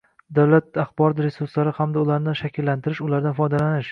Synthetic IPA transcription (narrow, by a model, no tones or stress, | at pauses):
d̪awlat̪̚aχbɒɾɒt̪ɾesʊɾslaɾɪhamd̪aʊlaɾnanʃakʲʰɪlːant̪ʰɪɾɪʃʊlaɾd̪anfɒjd̪alanɪʃ